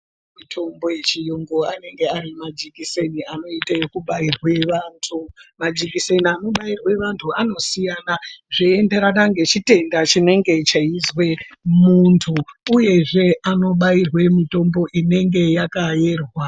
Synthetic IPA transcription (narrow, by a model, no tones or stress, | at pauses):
mitʰo̞mbo̞jet͡ʃijoŋɡoane̞ŋɡe̞arimad͡ʒikiseniano̞itajokuɓairwe̞ʋantʰumad͡ʒikise̞niano̞ɓairwe̞ʋantʰuano̞sijanaʐeende̞ɾanaŋɡe̞t͡ʃite̞ndat͡ʃine̞ŋɡe̞t͡ʃaizwe̞muntʰuːje̞ʐe̞ano̞ɓairwe̞mito̞mbo̞ʔine̞ŋɡe̞jakaje̞rwa